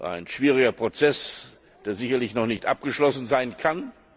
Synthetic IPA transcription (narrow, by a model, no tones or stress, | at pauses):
ʔa̰ɪnʃv̥iːʁ̞ɪɡɐpʁ̥ot͡sɛs | d̥eːɐzɪçɐlɪçnɔχnɪçtʔa̰p̚ɡ̥əʃlɔsn̩zaɪnkʰan